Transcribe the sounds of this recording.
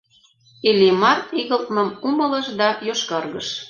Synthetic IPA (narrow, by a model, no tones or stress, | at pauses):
elʲimɑriɣəlt̪̚mɤ̆mumɤlə̆ʃd̪ɑjoʃkɑrɣɤʃ